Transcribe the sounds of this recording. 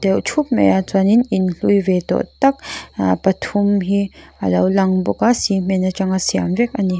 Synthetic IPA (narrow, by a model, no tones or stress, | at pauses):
d̪ɛwt͡ʃʰup̚mḛjat͡swanininɬujvet̪ɔ̰ʔt̪ɐk̚pɐt̪ʰumɦia̰lɐwlaŋbɔkasim̥enat͡ʃaŋasia̰mvɛk̚ani